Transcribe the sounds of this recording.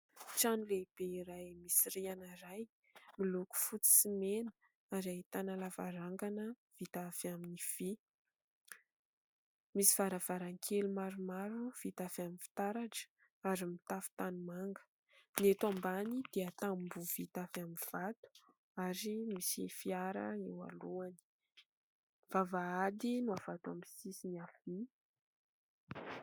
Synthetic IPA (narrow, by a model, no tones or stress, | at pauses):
ʈ͡ʂanileb̥eiɾajmisiɾianaɾaj | miluku̥fut͡si̥simenə̥ | aɾait̪analavaɾaŋɡanə | v̥it̪afaminiv̥i | misiv̥aɾav̥aɾaŋkʰelumaɾumaɾuv̥it̪afaminfi̥t̪aɾaʈ͡ʂə̥ | aɾimit̪afu̥t̪anumaŋɡə̥ | niet̪wambanid̪̥eət̪ambuvit̪afaminv̥at̪u̥ | aɾimisḭfiaɾə̰ewa̰luani̥ | v̥avaad̪inuav̥at̪wamisisiniafi